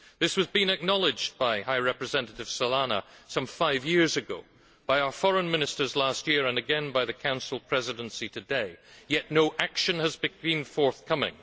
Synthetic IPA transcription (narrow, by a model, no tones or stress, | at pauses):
ðɪswʌzbĩnɨk̚nɑlˠɪd͡ʒbaɪhaɪɹɛpɹɨzɛ̃nɨɾɨv̥səlˠanə̰sʌ̃mɱfaɪvjɪɹzɨɡo̰ʊ | b̥aɪaʊə˞fɔɹə̃nmɪ̃nɨstə˞zlast̚jiɹə̃nɨɡɛ̃nbaɪðɨkʰãʊ̃nsl̩ˠpʰɹ̥ɛzɨɾə̃n̩sitʰɨdeɪjɛʔnoʊʔakʃɨ̃nəzbɨbĩnfɔɹθkʰʌmɪ̰̃ŋ